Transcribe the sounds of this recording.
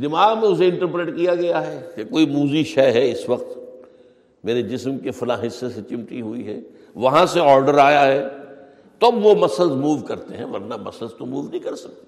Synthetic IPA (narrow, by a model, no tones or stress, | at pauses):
d̪ɪmaːɣmẽʊs̬eɪ̃ɳʈəɾpɾeːʈkijaɡɐjaɦɛːkekoːimuːziʃɛːɦɛɪsʋɐq̚t̪ | meːɾed͡ʒɪsmkefɐlaːɦɪsːeset͡ʃɪ̃mʈ̪iɦuiɦɛ̰ː | ʋɐɦãseɔːɾɖəɾaːjaɦɛː | t̪oɐbʋomɐsəzmuːʋkɐɾt̪eɦɛ̃ʋɐɾnamɐ̰səzt̪omuːʋnɐɦĩkɐɾsɐk̚t̪e̥